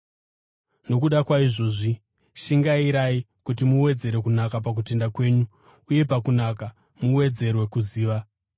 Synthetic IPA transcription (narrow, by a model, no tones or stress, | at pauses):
no̞kuɗakwaiʐo̞ːʐi | ʃiŋɡaiɾai | kutimuwe̞d͡ze̞ɾe̞kunakap̬ak̬ute̞ndakwe̞ːɲu | uje̞pakunaka | muwe̞d͡ze̞rwe̞kuziːʋa